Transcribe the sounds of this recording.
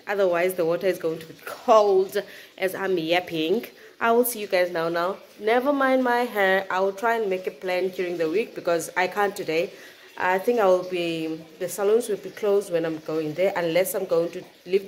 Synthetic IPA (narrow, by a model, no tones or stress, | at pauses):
ʔʌðə˞waɪzðəwɔtə˞ɨzɡoʊɪ̃ŋtubikʰoldʔɨzã̰ɪ̃mjɛpɪ̃ŋ | ʔaɪwɪlˠsijuɡaɪznaʊnaʊ | nɛvə˞mãɪ̃ndmaɪɦɛaɪwɪlˠtʰɹ̥aɪɨ̃nmeɪkɨplæ̃ndjuɹɪ̃ŋðəwik̚b̥ɨkɔzaɪkʰãntːɨdeɪ | ʔaɪθɪ̃ŋkaɪwɪlˠbiðəsalõnzwɪlˠbikʰloʊzd̚wɛ̃nãɪ̃mɡoɪ̃ŋðə˞ʔə̃nlɛsãɪ̃mɡoʊɪ̃ŋtu | liv